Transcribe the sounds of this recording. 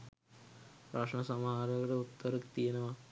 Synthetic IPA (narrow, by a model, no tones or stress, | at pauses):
ɾaːʂɳɐsɐmɦaːɾɐɡɾɐut̪ːɐɾɐkt̪iːɐnɐʋɐ